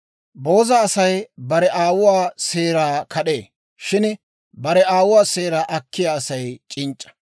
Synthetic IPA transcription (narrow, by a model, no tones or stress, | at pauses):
bo̞ːzɐːsɐjbɐɾɛʔaːwʊwaːse̞ːɾaːkʰɐɗeː | ʃɪn | bɐɾɛaːwʊwaːseːɾaːʔɐkʰːɪjaːsɐjt͡ʃʼɪnt͡ʃʼːɐ̥